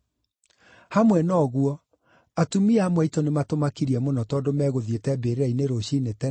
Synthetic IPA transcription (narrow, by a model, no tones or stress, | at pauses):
hamwɛnɔːɣwɔ | atumiamwɛitɔnematomakiɾiɛmonɔtɔdomɛːɣoðjetɛbeɾeɾaineɾoɕinetɛ